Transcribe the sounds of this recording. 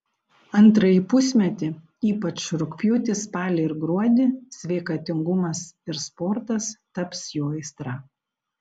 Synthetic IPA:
ɐnˑt̪ɾɐjipʊsʲmʲɛt̪ʲɪ | iːpɐt͡ʃɾʊkpʲjuːt̪ʲɪspɑːlʲɪɪɾɡɾuɔd̪ʲɪsʲʋʲɛɪkɑt̪ʲɪŋɡʊmɐsɪɾspɔɾt̪ɐst̪ɐpsjoːɛɪst̪ɾɑː

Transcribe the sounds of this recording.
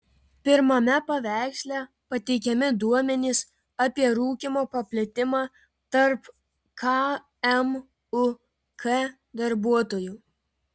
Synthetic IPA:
pʲɪɾmɐmʲɛpɐʋʲæˑɪksʲlʲæ | pɐt̪ʲɛɪkʲɛmʲɪd̪uɔmʲɛnʲiːs | ɐpʲiɛɾuːkʲɪmoːpɐpʲlʲɛt̪ʲɪmɑː | t̪ɐɾp | kʰɑ | ɛm | ʊ | kʰɛ | d̪ɐɾbuɔt̪oːjuː

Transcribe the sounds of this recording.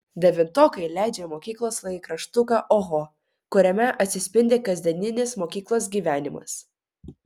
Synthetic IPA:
d̪ʲɛʋʲɪnt̪oːkɐɪlʲæˑɪd͡ʒʲɛːmoːkʲiːklˠoːslˠɐkɾɐʃt̪ʊkɑʔoɣo | kʊɾʲɛmʲɛʔɐt̪ʲsʲɪsʲpʲɪnʲd̪ʲeːkɐzʲd̪ʲɛnʲɪnʲeːsmoːkʲiːklˠoːsɡʲiːʋʲæːnʲɪmɐ̰s

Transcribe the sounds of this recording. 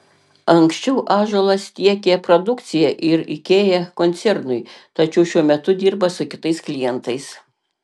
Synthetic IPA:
ɐŋksʲt͡ʃʲɛʊʔɑːʒolˠɐst̪ʲiɛkʲepɾod̪ʊkt̪sʲɪjɛʔɪɾɪkʲeːjɛkɔnʲt̪sʲɛɾnʊɪt̪ɐt͡ʃʲɛʊʃʲuɔmʲɛt̪ʊd̪ʲiːɾbɐsʊkʲɪt̪ɐɪsklʲɪjɛnt̪ɐɪs

